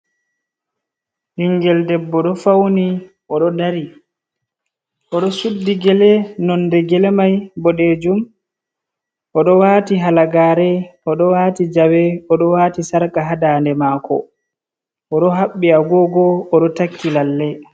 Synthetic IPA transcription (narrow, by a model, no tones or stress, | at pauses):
hiŋɡɛldɛbːɔɗɔfawni | ʔɔɗɔdaɾi | ʔɔɗɔsudːiɡɛlɛnɔnːdɛɡɛlɛmajbɔɗɛd͡ʒum | ʔɔɗɔwaːtiɦalaɡaːɾɛɔɗɔwatid͡ʒawɛɔɗɔwatisaɾkaɦadaːndɛmaːkɔ̰ | ʔɔɗɔɦaɓːiaɡɔɡɔɔɗɔtakːilalːɛ